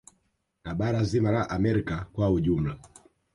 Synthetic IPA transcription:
naɓaɾazimaɾaʔamɛɾikakwauʄum̩la

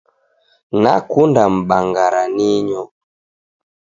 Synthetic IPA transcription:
nakundam̩ɓaŋɡaɾaniɲɔ

